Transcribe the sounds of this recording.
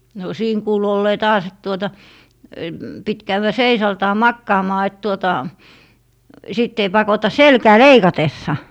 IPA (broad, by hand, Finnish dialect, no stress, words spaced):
no siːn kuːlu olːeː tɑːs et tuotɑ pit kæywæ seisɑːltɑː mɑkːɑːmɑː et tuotɑ siˑtː ei pɑkotɑ selkæː leikɑtesːɑ